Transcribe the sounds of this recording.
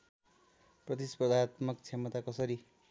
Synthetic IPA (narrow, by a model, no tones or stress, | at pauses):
prʌt̪ispʌd̪ʱat̪mʌk̚t͡sʰemʌt̪akʌsʌɾi